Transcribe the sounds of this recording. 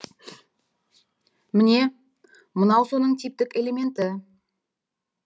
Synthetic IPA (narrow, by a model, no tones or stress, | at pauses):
mɪne̞ | mənɑwso̞nəɴt̪ʰip̚t̪ɪkʲe̞le̞mʲe̞nt̪ɪ